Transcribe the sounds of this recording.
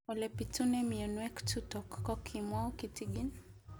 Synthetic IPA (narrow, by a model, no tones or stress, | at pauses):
ɔlɛpitunɛmiɔnwɛktutɔkːɔkʰimwaukitiɡin